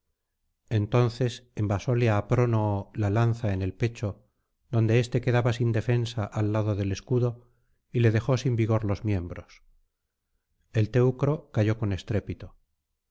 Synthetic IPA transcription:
e̞nt̪o̞nθe̞sembaso̞leaːpɾo̞nolalanθaene̞lpe̞t͡ʃo̞ | ðo̞nd̪e̞est̪e̞ke̞ðaβasind̪e̞fe̞nsaʔalːaðoðe̞le̞skuðo̞ | ile̞ðe̞xo̞simbiɣ̞o̞ɾlo̞zmje̞mbɾo̞s | e̞lt̪e̞wkɾo̞kaʝo̞ko̞ne̞st̪ɾe̞pit̪o

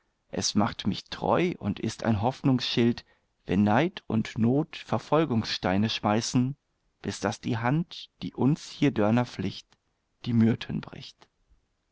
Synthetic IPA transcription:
ʔɛ̰smaχtmɪçtʁ̥ɔ̰ʏʔʊ̰ntɪstʰa̰ɪnɦɔfnʊŋsʃɪlt | v̥ɛ̰nːaɪtʰʊ̰ntnoːtfɛɐfɔlɡʊŋsʃtaɪnəʃmaɪsn̩ | b̥ɪsd̥asd̥iːɦantd̥iːʔʊnshiːɐdœɐnɐflɪçt | d̥iːmyɐtʰənbʁɪ̰çt

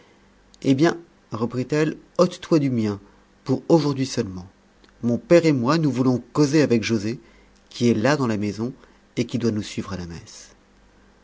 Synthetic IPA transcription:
ebjɛ̃ | ʁəpχit̪ɛl | ɔt̪t̪wad̪ymjɛ̃ | puʁoʒuʁd̪ɥisœlmɑ̃ | mɔ̃pɛʁemwanuvulɔ̃kozeavɛkʒoze | kʲiɛlad̪ɑ̃lamezɔ̃ | ekʲid̪wanusɥivʁalamɛ̰s

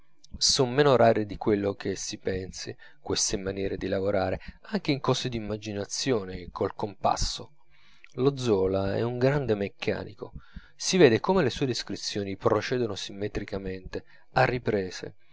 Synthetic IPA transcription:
sommːeːnoɾʔaːɾed̪ikwelːok̟ʰesipɛnsi | kwest̪emːanjɛːɾed̪ilavoɾʔaːɾeaŋk̟eiŋkɔːsed̪imːad͡ʒinat̪sːjoːnekʰolkompa̰sːo | lod̪zːɔːlaɛ̰uŋɡɾand̪emekʰːa̰ːnḭko̰ | siveːd̪ekomelesuːed̪iskɾit̪sːjoːnipɾot͡ʃɛːd̪onosimːet̪ɾikament̪e | arːipɾeːzḛ

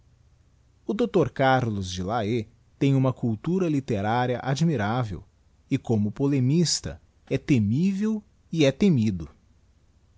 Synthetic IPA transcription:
ʊd̪owt̪oɾkaɾlʊzd͡ʒɪlae | t̪ẽj̃ũmɐkuwt̪uɾɐlit̪eɾaɾiɐʔad͡ʒmiɾavḛw | ɪkõmʊpolemist̪ɐ̰ | ɛt̪emivew | iɛt̪emid̪ʊ

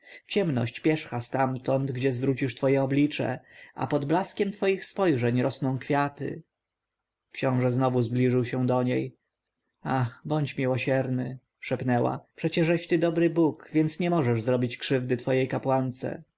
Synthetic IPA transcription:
t͡ɕɛmnɔ̰ɕt͡ɕpʲjɛʂxast̪amt̪ɔnd̪ɡd͡ʑɛzvɾut͡ɕiʂt̪fɔjɛɔblʲit͡ʂɛ̰ʔa̰pɔd̪blaskʲɛmt̪fɔjixspɔjʐɛɲɾɔsnɔ̃w̃kfʲjat̪ɘ̰ | kɕɔ̃w̃ʐɛznɔvuzblʲiʐɘwɕɛ̃d̪ɔɲej | axbɔɲt͡ɕmʲiwɔɕɛɾnɘ | ʂɛpnɛwa̰pʂɛt͡ɕɛʐɛɕt̪ɘd̪ɔbɾɘbukvʲjɛnsɲɛmɔʐɛʐzɾɔbʲit͡ɕkʂɘvd̪ɘt̪fɔjejkapwant̪sɛ̰

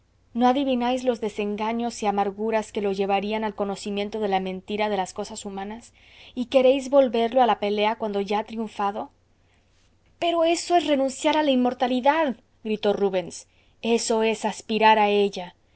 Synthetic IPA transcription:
no̞aðiβinajzlo̞zðe̞se̞ŋɡaɲo̞siamaɾɣuɾaske̞lo̞ʝe̞βaɾianalko̞no̞simje̞nt̪o̞ðe̞lamẽ̞nt̪iɾað̞e̞lasko̞sasumãnas | ike̞ɾe̞jzβo̞lβe̞ɾlo̞alape̞le̞akwand̪o̞ʝaat̪ɾiuɱfaðo̞ | pe̞ɾo̞e̞so̞esre̞nũnsjaɾalainmo̞ɾt̪aliðað | ɡɾit̪o̞ruβe̞ns | e̞so̞e̞saspiɾaɾae̞ʝa

